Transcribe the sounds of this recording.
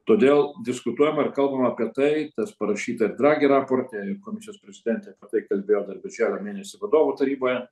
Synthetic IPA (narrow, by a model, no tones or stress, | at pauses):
t̪oːd̪ʲeːlˠd̪ʲɪskʊt̪uɔjɛmɐɪɾkɐlˠbɐmɐːpʲiɛt̪ɐɪt̪ɐspɐɾɐʃʲiːt̪ɐɪrd̪ɾɑːɡʲiɾɑːpoːrʲt̪ʲeɪkoːmʲɪsʲɪjoːsʲpʲɾʲɛzʲɪd̪ʲɛnʲt̪ʲɛɐpʲɛt̪ɐɪkɐlʲbʲeːjoːd̪ɐrbʲɪɾʲʒʲæːlʲoːmʲeːnʲɛsʲɪʋɐd̪oːʋut̪ɐɾʲiːboːjɛ